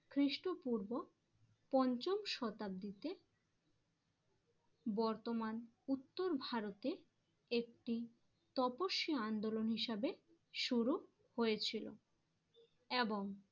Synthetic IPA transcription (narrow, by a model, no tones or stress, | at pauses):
kʰɾiʃʈopuɾbo | pɔnt͡ɕomʃɔt̪ab̚d̪it̪e | bɔɾt̪oman | ut̪ːoɾbʱaɾot̪e | ek̚ʈi | t̪ɔpoʃːioand̪olonɦiʃabe | ʃuɾu | hojet͡ɕʰilo̰ | eboŋ